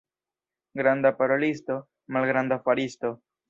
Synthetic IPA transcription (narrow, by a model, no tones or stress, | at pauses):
ɡɾand̪apaɾolist̪o | malɡɾand̪afaɾist̪o